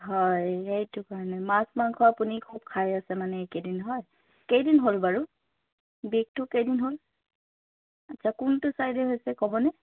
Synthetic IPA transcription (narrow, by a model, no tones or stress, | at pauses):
ɦɔjejtʊkaɹɔnɛmasmankʰɔapunikʰub̚kʰajasɛmanɛekedinɦɔj | kejdinɦolbaɹu | bik̚tʊkejdinɦol | atːsʰakʊntʊsajdɛɦojsɛkɔbɔnɛ